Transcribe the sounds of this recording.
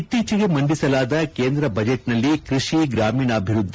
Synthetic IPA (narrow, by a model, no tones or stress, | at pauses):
it̪ːiːt͡ʃɐɡe̞mɐɳɖisɐlaːd̪ɐkeːnd̪ɾɐbɐd͡ʒeʈnɐlːikɾiʂiɡɾaːmiːɳɐːbʱiɾud̪ʱːi